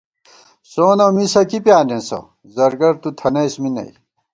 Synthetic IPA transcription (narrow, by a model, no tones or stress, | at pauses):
soːnomisɐkipjaːnenso̰ | zɐɾɡɐɾt̪ut̪ʰɐnɐjsminɐ̰j